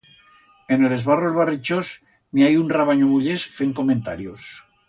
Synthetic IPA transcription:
enelezβarolβarit͡ʃos | miajunraβaɲoβuʎesfeŋko̞mẽnt̪aɾjos

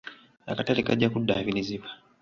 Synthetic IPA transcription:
a̰katalikaɟakudːa̰βiniziβḁ

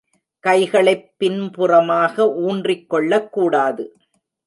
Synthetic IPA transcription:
kɐɪɣɐɭɐɪpːɪnpʊrɐmaːɣɐʔuːndrɪkːɔɭːɐkːuːɽaːðɯ

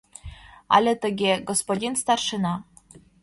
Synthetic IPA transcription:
ɑ̰lʲet̪ə̆ɡʲeɡospodʲinst̪ɑrʃɤnɑ

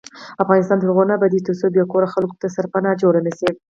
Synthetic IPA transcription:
afɣɑnɪst̪ɑnd̪əɾɣonabad̪it̪osobjɑkoɾaxalko̥t̪asaɾpanɑd͡ʒoɽamise

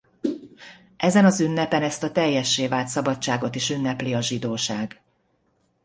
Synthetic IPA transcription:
ʔɛzɛnɒzynːɛpɛnɛst̪ɒt̪ɛjːɛʃːeːvaːlt̪sɒbɒtt͡ʃaːɡo̞t̪iʃynːɛpliɒʒid̪oːʃaːɡ

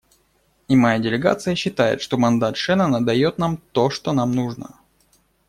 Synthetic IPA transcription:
imɐjadʲɪlʲɪɡa̰t̪sɨjəɕːɪt̪ajɪ̰t̪ʂt̪o̞mɐnd̪at̪ʂɛnənəd̪ɐjo̞t̪̚namt̪o̞ʂt̪o̞namnuʐnə̰

